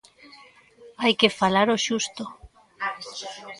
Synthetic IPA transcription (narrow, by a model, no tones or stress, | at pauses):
ajkefalaɾoʃust̪o